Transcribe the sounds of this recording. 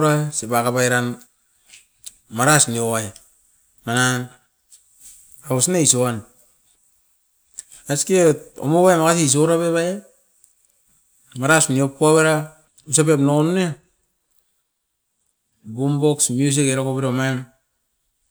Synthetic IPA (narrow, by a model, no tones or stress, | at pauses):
ɾasebakabajɾan | maɾasniowaj | manan | aosnaisoan | asketo̰moβajemakas̬iis̬oɾaβeβaja | maɾasniop̚uaβeɾa | usapepnonune | bumboksmjus̬ikeɾakopeɾaomaem